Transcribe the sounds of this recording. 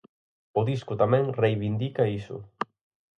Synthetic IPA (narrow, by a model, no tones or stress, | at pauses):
oðiskut̪amenrejβind̪ikaisṵ